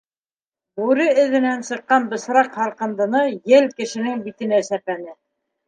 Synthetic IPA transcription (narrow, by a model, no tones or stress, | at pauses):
bʉɾɘɘ̆ðɘ̆nænsɤ̆qːɑnbɤ̆sɾɑqhɑɾqɤ̆nd̪ɤ̆nɤjɘlkɘ̆ʃɘ̆nɘŋbit̪ɘ̆næsæpænɘ